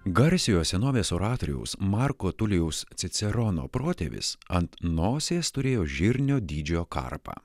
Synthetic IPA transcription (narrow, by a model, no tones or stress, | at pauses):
ɡɐɾʲsʲɪjoːssʲɛnoːʋʲeːsoːɾɑːt̪oːɾʲɪɛ̰ʊsmɑɾkoːt̪ʊlʲɪjɛʊst̪sʲɪt̪sʲɛɾɔno̰ːpɾoːt̪ʲḛːʋʲɪ̰sɐnt̪noːsʲeːst̪ʊɾʲeːjoːʒʲɪɾʲnʲoːd̪ʲiːd͡ʒʲoːkɐ̰ɾpɑ̰ː